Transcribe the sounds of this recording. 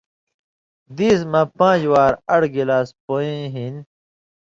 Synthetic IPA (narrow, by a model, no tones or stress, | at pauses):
d̪ismɐ̃pãːd͡ʑwaːɾɐɽɡilaːspoĩɦin